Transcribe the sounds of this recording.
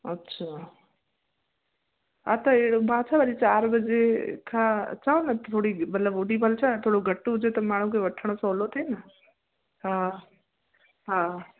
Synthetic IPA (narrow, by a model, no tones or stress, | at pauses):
ətːʃʰa | at̪ɐeɽobaːt͡ʃʰabaɾit͡ʃaːɾbəd͡ʒekʰãt͡ʃaonɐt̪ʰoːɽimɐt̪ləboːɖibʱəlt͡ʃʰat̪ʰoːɽoɡʱɐʈːud͡ʒet̪ɐmaːɽ̤ũkeʋɐʈʰəɽ̃osolot̪ʰenɐ | ɦã | ɦãː